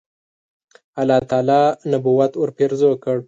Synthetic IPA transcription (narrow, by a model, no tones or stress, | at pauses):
alɑt̪ɑːlɑnabuwat̪oɾpeɾzokəɽ